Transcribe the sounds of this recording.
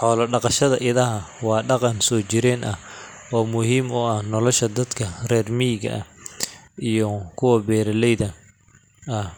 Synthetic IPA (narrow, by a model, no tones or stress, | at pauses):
ħɔːlɐɖɑqɑʃɐðɐʔɪðɐɦɐwɑːɖɑqɑnsɔːt͡ʃɪɾɛːnʔɐh | ɔːmʊhiːmʊɐhnɔlɔʃɐd̪ɐd̪kʰɐrɛːrmiːɡɐ̰ʔɐ | ʔijɔkʰʊwɐbɛːɾɐlɛjðɐ | ɐh